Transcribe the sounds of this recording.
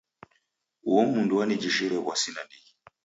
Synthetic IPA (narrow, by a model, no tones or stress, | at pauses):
wɔmunduanid͡ʒiʃiɾɛβwasinanii